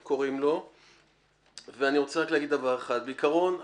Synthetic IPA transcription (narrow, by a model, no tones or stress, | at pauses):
ko̞ʁimlo̞ | veaniʁo̞t͡seaklaaɡid̪d̪avaʁeχad̪̚beikaʁo̞n